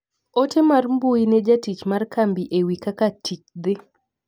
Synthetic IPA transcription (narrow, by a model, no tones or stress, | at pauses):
otemarmbuined͡ʒatit͡ʃmarkambiʔewikakatʰit͡ʃ̚d̪ɪ